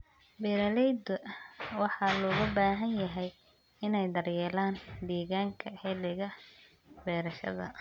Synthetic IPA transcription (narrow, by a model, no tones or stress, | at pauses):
bɛːɾɐlɛjd̪ɐwɑħɑlɔːɣɐbaːɦɐnjɐɦɛj | ɪnɛjd̪ɐrjɛːlaːnd̪iːɣaːŋkʰɐħɛlɪɣɐ | bɛːɾɐʃɐ̰ðɐ̰